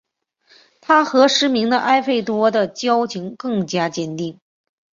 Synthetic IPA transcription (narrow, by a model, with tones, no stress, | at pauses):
t̪ʰa˥xɤ˧˥ʂɻ̩˧˥mi˧˥ŋd̪ə˧ʔa˥ɪfe˥˩ɪt̪wɔ˥d̪ə˨t͡ɕjɑ˥ʊt͡ɕʰi˧˥ŋkɤ˥˩ŋt͡ɕja˥t͡ɕjɛ˥˩nt̪i˥˩ŋ